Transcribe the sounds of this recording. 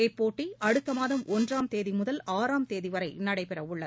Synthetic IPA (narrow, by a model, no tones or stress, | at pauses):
ɛpːoːʈːiɐɽɯt̪ːɐmaːðɐmʔɔndraːmt̪eːðimʊðɐlaːɾaːmt̪eːðiʋɐɾɐɪnɐɽɐɪpɛrɐʊɭːɐð